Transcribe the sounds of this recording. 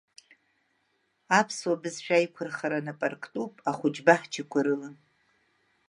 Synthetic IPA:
apʰswabɨzʃᶣajkʷʰʊrχaɾanapʼarkʰʼtʼupʼaχʷʊd͡ʒbaħt͡ʃʰikʷʰaɾɨlɨn

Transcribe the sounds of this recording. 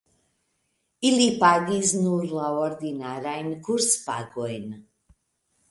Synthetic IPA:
ilipaɡiznuɾlaɔɾd̪inaɾajnkʰuɾspaɡɔjn

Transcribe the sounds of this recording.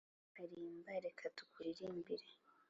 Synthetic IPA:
aɾimbaɾekʰatu̥kuɾiɾimbiɾe

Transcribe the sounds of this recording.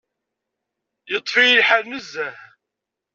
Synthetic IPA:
jət̪ˤːfijəlħaɾnəzːæh

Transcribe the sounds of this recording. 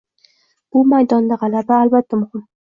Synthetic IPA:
b̥ʊmajd̪ɒnd̪aʁɑlabaːlbat̪ʰːamʊhɪm

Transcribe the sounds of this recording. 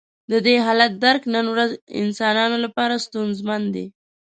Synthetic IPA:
d̪əd̪eɦɑlat̪̚d̪aɾknənwɾazɪ̰nsɑnɑnolapɑɾast̪unzmand̪ḛ

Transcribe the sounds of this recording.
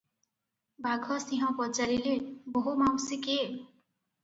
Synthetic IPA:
bʱaɡʱʌsiɦʌ̃pʌt͡saɾileboɦumaw̃sike

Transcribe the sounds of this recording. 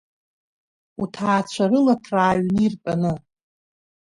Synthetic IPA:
utʰaːt͡ɕʷʰaɾɨlatʰraːɥnirpʼanɨ

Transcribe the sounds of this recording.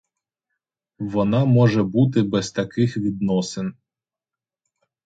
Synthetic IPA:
ʋɔnɑmɔʒɛbut̪̬ɪbɛzt̪ɐkɪxʋʲid̪̚nɔsen

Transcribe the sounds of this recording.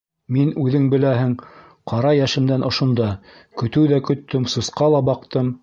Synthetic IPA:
minʉðɘŋbɘ̆læhɘŋ | qʰɑɾɑjæʃɘ̆md̪ænʔŏʃŏnd̪ɑ | kɵ̆t̪ɘwðækɵ̆t̪ːɘmsŏsqɑlˠɑbɑqt̪ɤm

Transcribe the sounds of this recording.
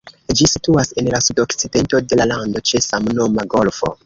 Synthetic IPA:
d͡ʒisituase̞nlasudo̞kt͡side̞nto̞de̞lalando̞t͡ʃe̞samno̞maɡo̞lfo̞̰

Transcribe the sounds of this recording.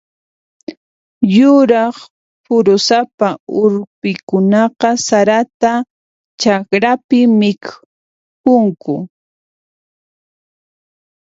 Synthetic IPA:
jʊɾɑχ | pʊɾʊsapaʊɾpɪkʊnɑqɑsaɾat̪a | t͡ʃakɾapɪmɪk | kʊŋkʊ

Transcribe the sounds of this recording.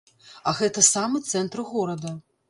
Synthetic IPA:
aɣɛt̪ɐsamɨt̪sɛnt̪ɾɨɣɔɾɐd̪ɐ

